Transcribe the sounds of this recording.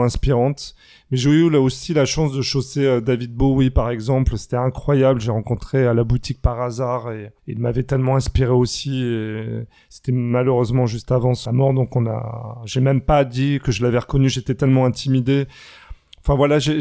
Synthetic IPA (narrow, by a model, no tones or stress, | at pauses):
ɛ̃spiʁɑ̃t̪ | mɛʒeylaosilaʃɑ̃sd̪əʃoseød̪avid̪̚bowipaʁɛɡzɑ̃plse̥t̪ɛɛ̃kχwajablʒeʁɑ̃kɔ̃t̪χealabut̪ik̚paʁazaʁeḭlmavɛt̪ɛlmɑ̃ɛ̃spiʁeosie | se̥t̪ɛmaløʁøzmɑ̃ʒyst̪avɑ̃samɔʁd̪ɔ̃kɔ̃na̰ʒemɛmpad̪ikəʒəlavɛʁəkɔnyʒet̪ɛt̪ɛlmɑ̃ɛ̃t̪ʰimid̪e | ɑ̃fɛ̃vwalaʒe